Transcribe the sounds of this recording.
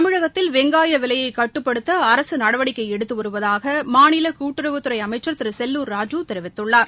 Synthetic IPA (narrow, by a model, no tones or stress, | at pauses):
ɐmɪɻɐɣɐt̪ːɪlʋɛŋɡaːjɐʋɪlɐjɐɪkɐʈːɯpːɐɽɯt̪ːɐːɾɐsɯnɐɽɐʋɐɽɪkːɐɪɛɽɯt̪ːɯʋɐɾɯʋɐðaːɣɐmaːnɪlɐkuːʈːɯɾɐʋɯt̪ːɯɾɐɪɐmɐɪt͡ʃːɐɾt̪ɪɾɯsɛlːuːɾːaːd͡ʒuːt̪ɛɾɪʋɪt̪ːɯɭːaːɾ